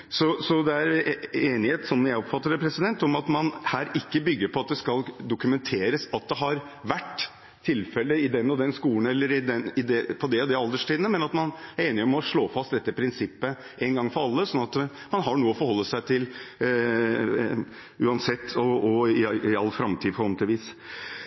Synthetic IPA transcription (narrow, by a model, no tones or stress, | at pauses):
sɔsɔd̪ɛæɾeːnɪheːt̪sɔmjæɪɔpfɑt̪ːəɾpʰɾɛsɪd̪ɛnt̪ɔmɑt̪mɑnhæːɾɪkːəbʏɡːəɾpʰɔɑt̪̚d̪ɛskɑld̪ʊkʉmɛnt̪ʰeːɾəsɑt̪̚d̪ɛɦɑɾ | ʋæʈ̪ʰː | ɪlfɛlːəɪd̪ɛnːɔd̪ɛnskuːən̩ɛlːəɾɪd̪ɛnɪd̪ɛpʰɔd̪ɛɔd̪ɛɑld̪əʂʈiːd̪nəmɛnɑt̪mɑnæɾeːnɪɔmɔʂɭoːfɑst̪d̪ɛt̪ːəpʰɾɪnsɪpːə | ʔɛnɡɑŋːfɔɾɑlːəsɔnːɑt̪ | mɑnɦɑɳuːəɔfɔɾhɔlːəsæɪt̪ʰɪl | ʉːɑnsɛt̪ːɔɔɪɪɑlːfɾɑmt̪ʰiːd̪pʰɔɾɔnt̪ɪʋiːs